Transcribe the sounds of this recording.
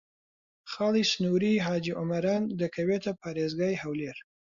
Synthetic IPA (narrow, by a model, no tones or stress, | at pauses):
xɑlisnuɾiɦɑd͡ʒiʔʊmaɾɑnd̪əkʰawet̪apʰɑɾezɡajhawleɾ